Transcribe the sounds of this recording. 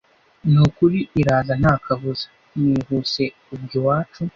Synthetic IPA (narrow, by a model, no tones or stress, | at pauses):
nukuɾiʔiɾaːzan̥haːkʰaβuzḁ | miβuse̞ | ubɟowaːt͡ʃu